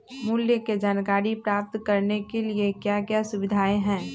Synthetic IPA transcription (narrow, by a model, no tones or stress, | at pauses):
muljəked͡ʒaːnkaːɾipɾaːp̚t̪kɐɾnekeliekjakjasʊbɪd̪ʱaːeɦɛ̃ː